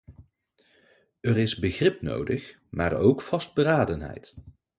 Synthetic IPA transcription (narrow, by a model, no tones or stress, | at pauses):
ərɪzbəχrɪpno̰wdəχ | ma̰ːrowkfɑsd̚bəɾaːdənɦɛ̰jt